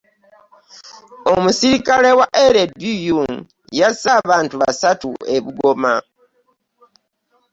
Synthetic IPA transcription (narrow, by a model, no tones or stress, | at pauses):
o̞musiɾikalewaʔeɾebujuŋ | jasaβaːntuβasatṵe̞βuɡo̞ma